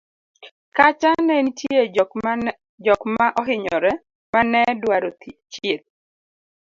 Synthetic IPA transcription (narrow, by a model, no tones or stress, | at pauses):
kat͡ʃanɛnitje | d͡ʒɔkmaʔɔɦɪɲɔɾɛ | manɛdwaɾot͡ʃet̪̚